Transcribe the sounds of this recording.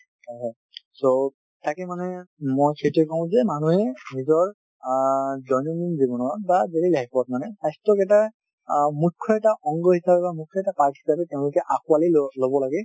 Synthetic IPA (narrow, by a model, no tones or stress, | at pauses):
aɦɔ | so | tʰakɛmanɛmojxʰetuɛkɔɦʊ̃zɛmanuɦɛnizɔɹ | zɔjnɔninzibɔnɔbazeɹilaɦpɔt̚manɛsajstɹɔkɛta | mukʰːɔɛtaʔɔŋɡɔɦisapɛbamukʰːɔɛtapakɦi̥sapɛtɛʊ̃lʊkɛʔakualilobɔlaɡɛ